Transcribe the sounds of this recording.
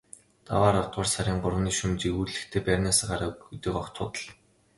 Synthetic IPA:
t̪a̰waːɾawt̪̚ɢʊːrsaɾʲiːɴɢʊrwniːʃumt͡ɕiɣuːɮɘ̆xt̪ʰeːpærʲnaːsaːɢaɾaːɡut̪ĭːkɔkt̪ʰʊːt̪ə̆ɮ

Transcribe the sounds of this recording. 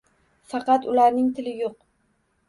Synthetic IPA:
fɑqɑt̪ʊlaɾnɪŋt̪ʰɪlɪjoq

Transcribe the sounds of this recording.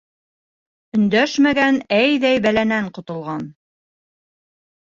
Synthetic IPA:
ɵ̆nd̪æʃmæɡænæjðæjbælænæɴqŏt̪ŏlˠʁɑn

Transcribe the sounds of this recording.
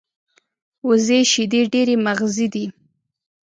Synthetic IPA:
wʊzeʃid̪eɖeɾemaɣzid̪i

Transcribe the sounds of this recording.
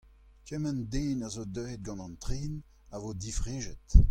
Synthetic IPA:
kɛmɛnd̪eːnazod̪øːd̪̚ɡɑ̃nɑ̃nt̪ʁeːn | avod̪ifʁeːʒɛt̪

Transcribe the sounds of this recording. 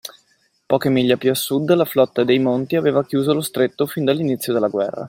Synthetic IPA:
pɔːkemiʎːapjuasːud̪ːlaflɔt̪ːad̪ejmont̪iaveːvakjuːzolost̪ɾet̪ːofind̪alːinit̪sːjod̪elːaɡwɛ̰rːa̰

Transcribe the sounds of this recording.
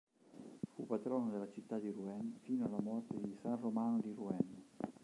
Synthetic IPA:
fupːat̪ɾɔːnod̪elat͡ʃit̪ːad̪iruɛnfiːnoalːamɔrt̪ed̪isanromanod̪iruɛn

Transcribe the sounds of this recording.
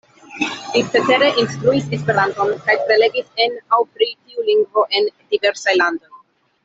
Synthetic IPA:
litete̞ɾe̞ʔinst̪ɾuisespe̞ɾant̪o̞nkajpɾe̞le̞ɡisenawpɾitiuliŋɡvo̞ʔe̞ndiveɾsajland̪o̞j

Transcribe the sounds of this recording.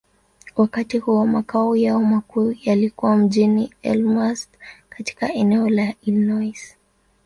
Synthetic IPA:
wakatihuɔmakaɔjaɔmakujalikuwam̩ʄiniɛ̰lmastkati̥kaʔɛnɛɔlailnɔjs

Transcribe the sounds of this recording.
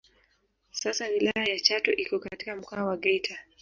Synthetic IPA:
sasawilajajat͡ʃatɔ̰ʔikɔkatikam̩kaːwaɠɛjtʰa

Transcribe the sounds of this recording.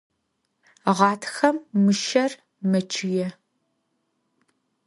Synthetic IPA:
ʁɑːtʰxɐmːɨʃɐr | mɐt͡ʃʰɪjɛ

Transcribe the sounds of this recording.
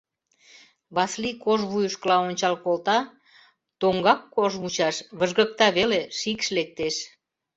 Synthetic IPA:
βɑslikoʒβujəʃkəlɑonʲt͡ɕɑlkolt̪ɑ | t̪oŋɡɑkːoʒmut͡ɕɑʃβəʒɣək̚t̪ɑβeleʃikʃlek̚t̪eʃ

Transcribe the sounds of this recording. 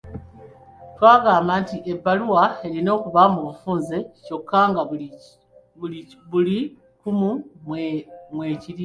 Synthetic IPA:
twaːɡaːmbantiʔe̞baluwae̞ɾino̞ːkuβamuβafuːnzeco̞kːaːŋɡa | βuli | kumu | mwe̞ːciɾi

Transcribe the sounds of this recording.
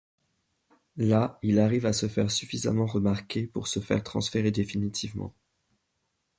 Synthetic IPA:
lailaʁivasəfɛ̰ʁsyfiza̰mɑ̃ʁəmaʁkʲepṵʁsəfɛ̰ʁt̪χɑ̰̃sfeʁed̪efinit̪ʰivmɑ̰̃

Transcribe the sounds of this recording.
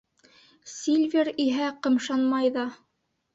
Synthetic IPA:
sʲilʲvʲeɾiɦæqɤ̆mʃɑnmɑjðɑ

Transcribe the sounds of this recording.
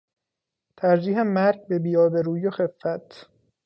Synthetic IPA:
t̪ʰæɾd͡ʒiːɦemæɾɡ̚be̞biːjɒːbeɾuːjoxe̞fːæt̪ʰ

